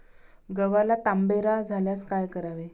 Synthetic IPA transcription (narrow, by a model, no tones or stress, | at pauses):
ɡəʋalat̪ambeɾad͡zʱaljaskajkəɾaʋe